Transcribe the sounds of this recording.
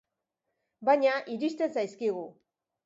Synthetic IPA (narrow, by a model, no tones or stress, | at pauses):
baɲaʔiɾiʃt̪esajskiɣu